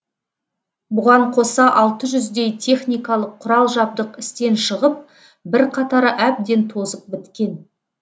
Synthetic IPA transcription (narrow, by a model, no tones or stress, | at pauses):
bʊʁɑɴqʰo̞sɑʔɑlˠt̪əʒʏzd̪e̞jt̪ʰe̞χnijkɑlˠəqʰːʊɾɑlˠʒɑb̚d̪əqɪst̪e̞nʃəʁəp̚ | bɪɾqʰɑt̪ɑɾəʔæb̚d̪e̞nt̪ʰo̞zəp̚bɪt̪kʲe̞n